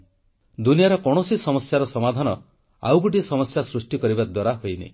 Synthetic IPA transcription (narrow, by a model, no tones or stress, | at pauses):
d̪unijaɾɔkɔɽ̃osisɔmɔsjaɾɔsɔmad̪ʱanɔ | a̰wkuʈ̬isɔmɔsjasɾusʈikɔɾibad̪waɾaɦojnḭ